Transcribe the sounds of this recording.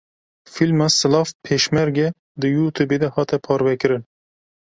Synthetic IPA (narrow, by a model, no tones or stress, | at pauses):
filmɑsɨlɑːfpʰeːʃmɛɾɡɛ | d̪ɨjuːt̪ʰuːbeːd̪ɛhɑːt̪ɛpʰɑːɾvɛkɨɾɨn